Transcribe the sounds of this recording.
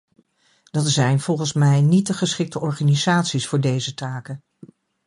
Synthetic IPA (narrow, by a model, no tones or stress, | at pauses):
d̥ɑtsɛjnv̥ɔlˠχənsmɛjnitdəχəsχɪk̚təʔɔɹχaːnizaːtsisfʊːɹdejzətaːkən